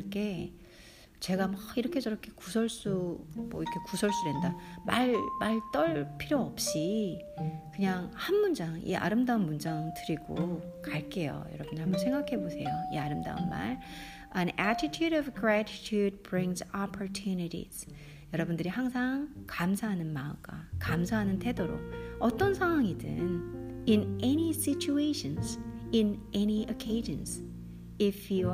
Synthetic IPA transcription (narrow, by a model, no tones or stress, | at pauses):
k͈ʰe̞ | t͡ɕe̞ɡamʌiɾʌkʰe̞t͡ɕʌɾʌkʰe̞kusʰʌɭs͈umʌ̰iɾʌkʰe̞kusʰʌɭs͈uɾendamaɭmaɭt͈ʌɭpʰiɾjoʌp̚ɕ͈i | kɯɲaŋhanmund͡ʑaŋḭa̰ɾɯmdaunmund͡ʑaŋtɯɾiɡo | kaɭk͈e̞jo̰jʌ̰ɾʌbundɯɾhambʌnsʰe̞ŋɡakʰe̞bosʰe̞joiaɾɯmda̰ṵnma̰ɭ | ənætʰitʰjuɾʌvɡɹætʰi̥tʰjud̚bɹiŋsapʰo˞tʰuniɾḭz̥ | jʌɾʌbundɯɾihaŋsʰaŋkamsʰaɦanɯnmaɯ̰ɡakamsʰaɦanɯntʰe̞doɾo̰k̚ʌt͈ʌnsʰaŋwaŋidɯ̰ninenisit͡ɕʰueɕʰʌnsɪnʔɛniokʰeɪd͡ʑʌns | ipʰju